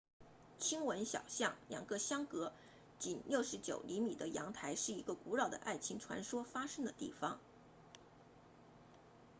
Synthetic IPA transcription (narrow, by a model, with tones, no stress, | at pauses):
t͡ɕʰi˥ŋwə˧˥nɕjɑ̰˨˩ʊɕjɑ˥˩ŋljɑ̰˨˩ŋɡə˧˥ɕjɑ˥ŋkɤ˧˥ | t͡ɕi˨˩nljo˥˩ʊʂɻ̩˧˥t͡ɕjo̰˨˩ʊli˧˥mi˨˩d̪ə˦jɑ̰˧˥ŋt̪ʰa˧˥ɪʂɻ̩˥˩i˧˥ɡə˧ku˧˥ɻɑ˥˨˩ʊd̪ə̰˩ʔa˥˩ɪt͡ɕʰi˧˥ŋʈ͡ʂʰwa̰˧˥nʂwɔ˥fa˥ʂɤ˥ŋd̪ə˨t̪ḭ˥˩fɑ˩ŋ